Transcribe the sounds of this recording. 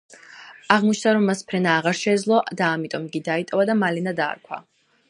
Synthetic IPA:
aʁmɔt͡ʃʰnaɾɔmːaspʰɾɛnaːʁaɾʃɛːd̪zlˠɔd̪aːmit̪ʼɔmɡid̪ait̪ʼɔvad̪amalɛnad̪a̰ːɾkʰwa̰

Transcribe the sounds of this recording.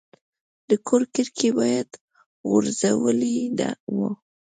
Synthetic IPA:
d̪̥əkʰoɾkɪɾkʰebɑjad̪̥ | ɣʊɾzawəlid̪a̰wə

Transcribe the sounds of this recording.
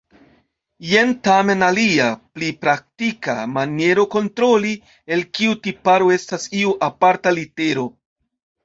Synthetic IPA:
jentame̞naliaplipɾak̚tika̰manje̞ɾo̞ko̞ntɾo̞li | e̞lkiutipaɾo̞e̞stasiuʔapaɾtalite̞ɾo̞

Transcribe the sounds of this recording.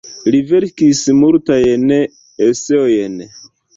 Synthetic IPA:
live̞ɾkismultajen | eseojen

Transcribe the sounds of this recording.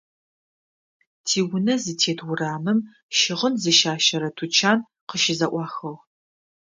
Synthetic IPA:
tʰiːwʊnɐzɨtʰeːtʰwʊraːmɨm | ʃɪʁənzɨʃaːʃɐɾɐtʰut͡ʃʰaːn | qəʃɪzɐʔʷɑːxɐʁ

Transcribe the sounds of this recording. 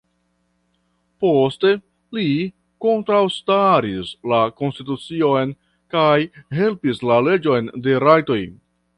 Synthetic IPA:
po̞ste̞ | li | ko̞ntɾawstaɾislako̞nstitut͡sio̞jn | kajɦe̞lpislale̞d͡ʒo̞jnde̞ɾajto̞j

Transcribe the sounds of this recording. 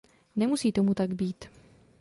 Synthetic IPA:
nɛmusiːt̪o̞mut̪aɡbiːt̪

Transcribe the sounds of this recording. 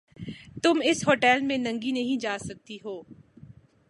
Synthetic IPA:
t̪ʊmɪsɦoːʈɛːlmẽnɐ̃ŋɡinɐɦĩd͡ʒaːsɐk̚t̪iɦoː

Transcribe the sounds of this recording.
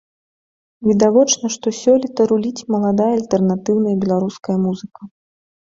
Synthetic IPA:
vʲid̪avɔt͡ʂnɐʂt̪ɔsʲɔlʲit̪ɐɾulʲit͡sʲmɐlˠad̪ajɐalʲt̪ɛrnat̪ɨwn̪ɐjɐbʲɛlˠaɾuskɐjɐmuzɨkɐ

